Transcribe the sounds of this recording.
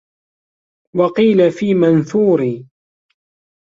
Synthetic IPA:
wɑqiːlafiːmanθuːɾiː

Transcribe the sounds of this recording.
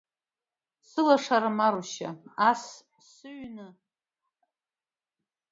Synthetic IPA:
sɨlaʂaɾɨmaɾuʃaas | sɨɥnɨ

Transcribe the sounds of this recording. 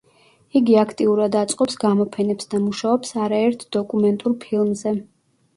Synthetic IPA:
iɡiakʰt̪ʼiuɾad̪at̪sʼqʼɔpsɡamɔpʰɛnɛpsd̪amuʃaɔpsaɾaɛɾt̪ʰd̪̥ɔkʼumɛnt̪ʼuɾpʰilˠmzɛ

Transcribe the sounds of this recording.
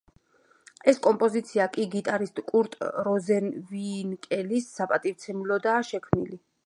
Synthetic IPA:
ɛskʼɔmpʼɔzit̪sʰiakʼiɡit̪ʼaɾist̪ʼkʼuɾt̪ʼɾɔzɛnvinkʼɛlisːapʼat̪ʼivt̪sʰɛmulɔd̪aːʃɛkʰmnili

